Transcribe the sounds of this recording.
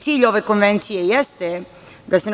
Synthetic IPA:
t̪siːʎʲoʋeko̞nʋent̪sijejest̪e | d̪asen

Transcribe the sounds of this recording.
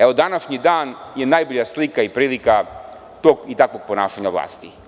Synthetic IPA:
eʋod̪anaʃɲid̪aːnjenajboʎaslikaipɾiːlika | t̪oːɡit̪akʋo̞ɡ̚po̞na̰ːʃaɲaʋlˠa̰ːst̪i

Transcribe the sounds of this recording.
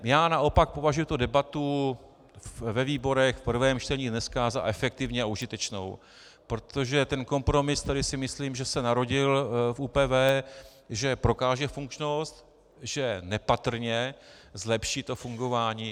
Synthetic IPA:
jaːnaʔo̞pak̚po̞vaʒujut̪udɛbat̪u | vɛviːbo̞ɾɛxfpr̩vɛːmʃt̪ɛɲiːdnɛskaza̰ʔɛfɛk̚t̪ɪvɲɛauʒɪt̪ɛt͡ʃno̞̰w | pɾo̞t̪o̞ʒɛt̪ɛnko̞mpɾo̞mɪst̪adɪsɪmɪsliːmʒɛsɛnaɾo̞ɟɪlfuːpɛːvɛː | ʒɛpɾo̞kaːʒɛfuŋk̚t͡ʃno̞st̪ | ʒɛnɛpat̪r̩ɲɛ | zlɛpʃiːt̪o̞fuŋɡo̞vaːɲiː

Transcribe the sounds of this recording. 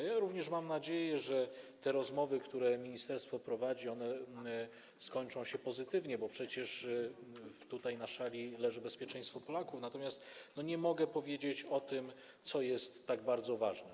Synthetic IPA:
jaɾuvɲɛʂmamnad͡ʑejɛʐɛt̪ɛɾɔzmɔvɘkt̪uɾɛmʲiɲist̪ɛɾst̪fɔpɾɔvad͡ʑiɔnɛ | skɔɲt͡ʂɔ̃w̃ɕɛpɔzɘt̪ɘvɲɛbɔpʂɛt͡ɕɛʂ | t̪ut̪ajnaʂalʲilɛʐɘbɛspʲjɛt͡ʂɛ̃j̃st̪fɔpɔlakufnat̪ɔmʲjast̪nɔɲɛmɔɡɛpɔvʲjed͡ʑet͡ɕɔt̪ɘm | t̪sɔjɛst̪ːaɡbaɾd̪zɔvaʐnɛ

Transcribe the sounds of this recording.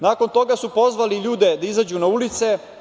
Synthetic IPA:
naːko̞nt̪o̞ɡasupo̞zʋaliʎuːd̪ed̪aizad͡ʑunaulit̪se

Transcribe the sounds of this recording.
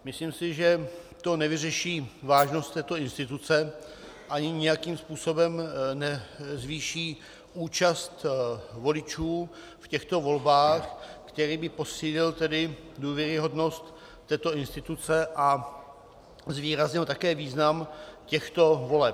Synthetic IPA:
mɪsliːmsɪʒɛ | t̪o̞nɛvɪrɛʃiːvaːʒnost̪ːɛːt̪o̞ɪnst̪ɪt̪ut͡sɛ | ʔaɲɪɲɛjakiːmspuːso̞bɛmnɛzviːʃiː | uːt͡ʃast̪vo̞lɪt͡ʃuː | fcɛxt̪o̞vo̞lbaːxkt̪ɛɾiːbɪpo̞siːlɪlt̪ɛdɪduːvjɛɾɪɦo̞dno̞st̪ | t̪ːɛːt̪o̞ɪnst̪ɪt̪ut͡sɛʔa | zviːɾazɲɪlt̪akɛːviːznamcɛxt̪o̞vo̞lɛp

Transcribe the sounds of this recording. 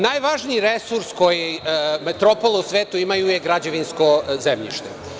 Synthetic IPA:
najʋaːʒniiɾesuɾsko̞jimet̪ɾopolˠusʋeːt̪uimajujeɡɾad͡ʑeʋinsko̞zemʎḭʃt̪e

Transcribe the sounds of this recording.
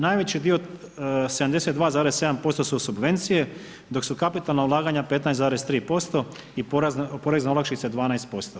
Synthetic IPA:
naːjʋe̞t͡ɕid̪io | sed̪amd̪e̞se̞t̪d̪ʋaːzaːɾesse̞d̪ampo̞st̪osusubʋe̞nt̪sije̞ | d̪o̞ksukapit̪alˠnaulˠaːɡaɲape̞t̪naeszaːɾest̪ɾiːpo̞st̪o̞ | ippoɾeznolakʃit̪sed̪ʋaːnaest̪̚po̞st̪o

